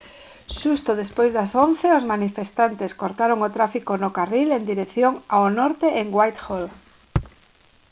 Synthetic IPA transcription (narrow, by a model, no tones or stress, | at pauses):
ʃust̪ʊðespojzðɐsonθeozmanifest̪ant̪eskoɾt̪aɾoŋot̪ɾafikonokarilend̪iɾekθjoŋaonɔɾt̪eʔeŋɡwajt̪xol